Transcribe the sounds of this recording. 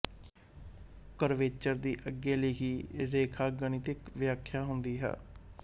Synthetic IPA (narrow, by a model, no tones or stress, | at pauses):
kəɾʋeːt͡ʃəɾd̪iːʔəɡːeːləiːɦiːɾeːkʰaːɡəɳ̃ɪt̪ɪkʋɪjaːkʰjaːɦʊnd̪iːɦɛ̰ː